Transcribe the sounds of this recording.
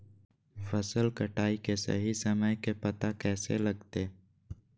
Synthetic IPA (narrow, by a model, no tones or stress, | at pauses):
fəsəlkəʈaːikesɐ̰ɦisəməjkepɐt̪akɛːselɐɡt̪eː